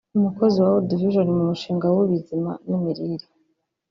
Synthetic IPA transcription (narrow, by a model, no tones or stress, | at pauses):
numuko̞ziwawodiviʒonimumuʃiːŋɡawoβizima̰numiɾiɾi